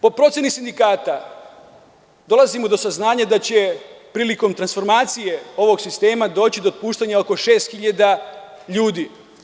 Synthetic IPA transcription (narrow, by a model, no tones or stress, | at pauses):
po̞pɾo̞t̪sje̞nisind̪ikaːt̪a | d̪o̞lazimo̞d̪o̞saznaːɲad̪at͡ɕe̞pɾiːliko̞mt̪ɾansfo̞ɾmaːt̪sije̞o̞ʋo̞ɡsist̪e̞ːmad̪o̞ːt͡ɕid̪ot̪̚puːʃt̪aɲaoko̞ʃe̞ːst̪xiʎad̪a | ʎuːd̪i